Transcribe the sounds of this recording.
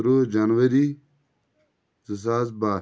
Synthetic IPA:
ɾod͡ʒanʋəɾiː | zəs̬aːzbaː

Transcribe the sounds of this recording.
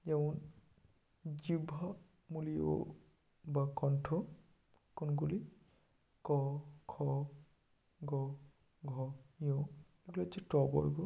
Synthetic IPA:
jawn | zibʱɔ | mulijo̰ | bakɔntʰɔ | kɔnɡuli | kɔkʰɔ | ɡɔ | ɡʱɔjɔ | eɡulazitɔbɔ̰ɹiɡɔ

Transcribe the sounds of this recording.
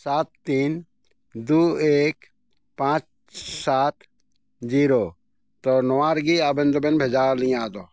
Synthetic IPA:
saːt̪ːiːn | d̪uːeːk | pãːt͡ʃ | saːt̪ | d͡ʒiːɾoː | t̪onɔwaːɾɡiabə̃nd̪obenbʱed͡ʒaːɾnĩaːt̪o

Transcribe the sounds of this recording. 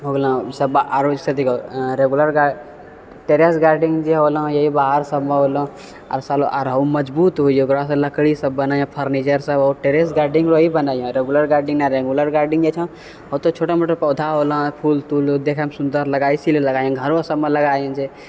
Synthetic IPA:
ɦoɡlə̃səbaɾod͡ʒsət̪ikoɾeɡuləɾɡa | ʈeɾesɡaɾɖĩŋd͡ʒeɦol̃jəɦibaɦəɾsəbmeɦolõ | a̰ɾsaloʔa̰ɾɦəuməd͡ʒbut̪ɦuikɾas̬ə̃ləkɽisəbːənajãpʰəɾnit͡ʃəɾsəbɔɾʈeɾesɡaɾɖĩŋɡɾoɦibənajɔ̃ɾeɡuləɾɡaɾɖĩŋnaɾeɡuləɾɡaɾɖĩŋɡjet͡ʃʰə̃ | ɦot̪ot͡ʃʰoʈamoʈepəd̪ʱaɦol̃pʰult̪uld̪ekʰamsund̪əɾləɡajsileləɡajãɡʱəɾʋosəbmeləɡajə̃d͡ʒe

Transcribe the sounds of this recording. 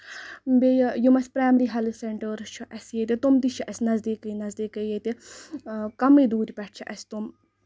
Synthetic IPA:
bejjumɐsʲpɾaːmɾiɦɐliseɳʈəɾt͡ʃʰuʔɐsjet̪et̪umt̪iʃʰuʔɐsnɐzd̪iːkɐjnɐzd̪iːkɐjet̪e | kɐmid̪uːɾʲpɛʈ̚ʰt͡ʃʰuʔɐst̪um

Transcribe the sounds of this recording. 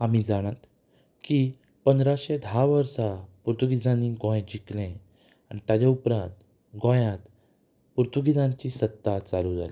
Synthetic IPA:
am̤id͡zaɽ̃at̪ | ki | pənd̪ɾaɕed̪ʱaʋəɾsapuɾt̪uɡid͡zãniɡõj̃d͡ʑiklẽ | aɽ̃it̪jad͡ʑaupɾãnt̪ | ɡõjãt̪ | puɾt̪uɡid͡zãɲt͡ɕiːsət̪ːat͡saluːd͡za̰li

